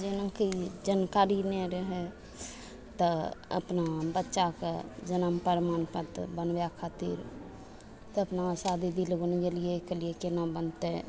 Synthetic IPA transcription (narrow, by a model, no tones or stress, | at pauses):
d͡ʒenəkid͡ʒankaːɾineɾəɦe | t̪əə̰pnabətːʃakḛd͡ʒənəmpəɾmanpət̪bənbjakʰaːt̪ḭɾ | t̪ɔəpnasad̪ʱid̪ilɡonɡeliekeliekenabənt̪e